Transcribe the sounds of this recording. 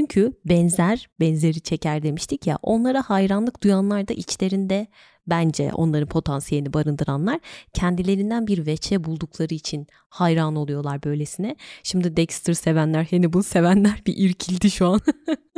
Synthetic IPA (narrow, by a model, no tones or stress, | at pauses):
t͡ʃʰyɲcʰybɛnzæɾbɛnze̞ɾit͡ʃʰe̞cʰæɾd̪e̞miʃt̪ʰicja̰ʔo̞̰nlˠaɾahajɾanlˠɯk̚d̪̥ujanlˠaɾd̪a̰ʔit͡ʃlʲe̞ɾind̪ɛ | bænd͡ʒɛ̰ʔo̞̰nlˠaɾɯnpʰo̞t̪ʰansjelʲinibaɾɯnd̪ɯɾanlˠaɾ̥cʰɛnd̪ilʲe̞ɾind̪ænbiɾvɛt͡ʃʰɛbulˠd̪ukʰlˠaɾɯit͡ʃʰin | hajɾaːno̞lˠujo̞lˠaɾbø̞jlʲe̞sinɛʃimd̪id̪ɛcst̪ʰɯɾse̞vænlʲæɾhenibunse̞vænlʲæɾbiʔiɾcʰilʲd̪iʃuan